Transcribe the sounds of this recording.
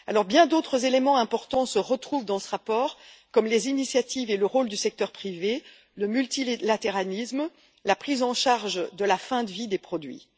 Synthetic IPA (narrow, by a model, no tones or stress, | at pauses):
alɔʁbjɛ̃d̪ot̪χəzelemɑ̃ɛ̃pɔʁt̪ɑ̃səʁət̪χuvd̪ɑ̃səʁapɔːʁkɔmlezinisjat̪iveləʁold̪ysɛk̚t̪œʁpχive | ləmylt̪illat̪eʁalism | lapχizɑ̃ʃaʁʒd̪əlafɛ̃d̪əvid̪epχɔd̪ɥḭ